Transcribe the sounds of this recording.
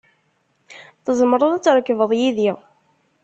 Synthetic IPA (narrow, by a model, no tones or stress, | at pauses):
θəzˤməɾˤəðˤæt͡sːɾˤəkːvəðˤjiðiʁ